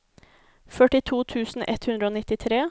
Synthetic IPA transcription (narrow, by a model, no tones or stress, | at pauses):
fœʈɪt̪ʰuːt̪ʰʉːsn̩ʔɛ̰t̪hʉnd̪ɾəoːnɪt̪ɪt̪ʰɾeː